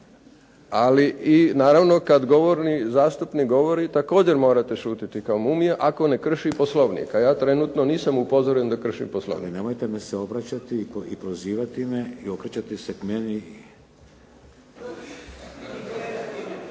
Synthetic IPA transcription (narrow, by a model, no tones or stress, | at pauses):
aliʔinaːɾaʋno̞kad̪ɡo̞ʋoɾnizaːst̪upniɡo̞ʋoɾit̪ako̞ːd͡ʑe̞ɾmo̞ːɾat̪eʃuːt̪it̪ikaomumijeʔako̞ne̞kr̩ʃiposlˠoʋnḭḛkajaːt̪ɾe̞nuːt̪noniːsamupo̞zoɾend̪akr̩ʃḭmposlˠo̰niinemojt̪emeseo̞bɾat͡ɕat̪iipɾoziːʋat̪imeiokɾet͡ɕat̪isekmeni